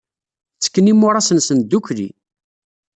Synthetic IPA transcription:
t͡sːə̥kːənimːʊɾˤɑsənsənd̪ukɾḭ

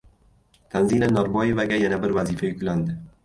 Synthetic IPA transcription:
t̪ʰanzinanɒɾbɒje̞vaɡʲajanabɪɾvazifajʊkʲland̪ɪ

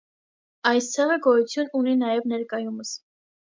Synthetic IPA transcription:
ɑjst̪ʰɛʁəɡɔjut͡sʰjununinɑjɛvnɛɾkɑjuməs

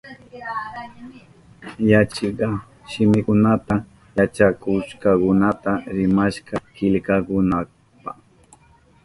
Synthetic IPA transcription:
jat͡ʃɪɢɑ | ʃɪmɪkʊnat̪a | jat͡ʃakʊʃkakʊnat̪aɾɪmaʃkɑkɪʎkakʊna | pa

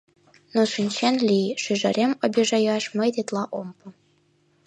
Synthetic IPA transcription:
noʃynʲɕenlʲiʃyʒɘɾʲʔemobʲiʒɑjɑʃmɤjt̪et̪lˠɑʔompu

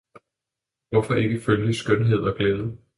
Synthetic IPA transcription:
ʋɒ̽fɒ̽ʔe̝ɡ̥əføljdisɡ̥ønɦe̝ð̞̰ˠɒ̽ɡ̥leːðˠə

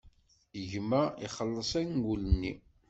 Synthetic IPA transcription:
ʝmːæiχəlːəsˤænɡulənːi

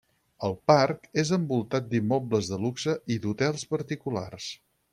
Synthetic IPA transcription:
əlˠparkezəmbulˠt̪at̪̚d̪imːɔbləzðəluksəʔid̪ut̪ɛlˠspəɾt̪ikula̰rs

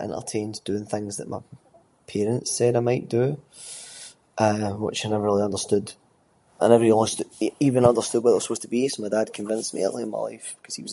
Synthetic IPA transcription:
ʔə̰̃nə̰lˠtʰẽnd̥ʉɪ̃ŋθɪ̃ŋzðəʔmaɪ | pʰeɹə̃ntssɛdaɪmaɪʔd̥ə | ʔʌwɪ̰t͡ʃaɪnɛvə˞ɹilˠiʌ̃ndə˞stʉd | ʔə̰̃nɛvə˞iɔlˠməstivə̃nʌ̃ndə˞stʉd̚wɔʔəʔwəspostʰəbisomaɪdad̚kʰə̃ɱvɪ̃nsmḭə̰ʔlˠiə̃nma̰ɪlˠa̰ɪfb̥ɪ̥kʰʌz̥iwʌz

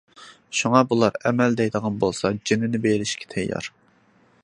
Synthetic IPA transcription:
ʃuŋɑbulˠɑɾɛmɛld̪ɛjd̪əʁɑnbolˠsɑd͡ʒinɪnɪbelɪʃkʲʰɛ̥t̪ʰɛjːɑ̰ɾ

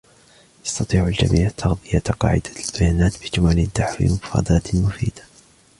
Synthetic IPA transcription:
ʔɑsˤt̪ɑt̪ˤiːʕald͡ʒa̰miːʕt̪ʰɑɣd̪ˤɨjaqɑ̰ːʕɪd̪ḁlb̥ajaːnaːt̪bɪd͡ʒʊmalɪd̪ːaħwḭmʊfɾɑ̰ːd̪ɑːt̪mʊfḭːd̪̥ḁ

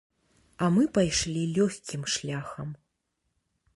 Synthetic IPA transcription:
ɐmɨpajʂlʲilʲɔxʲkʲimʂlʲaxɐm

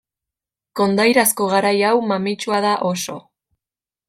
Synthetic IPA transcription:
ko̞nd̪ajɾasko̞ɣaɾajawmamit͡ʃuaðaʔo̞so̞

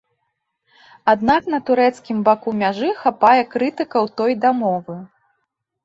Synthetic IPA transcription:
ad̪n̪aknɐt̪uɾɛt̪skʲimbakumʲaʐɨxapajɛkɾɨt̪ɨkɐwt̪ɔjd̪amɔvɨ

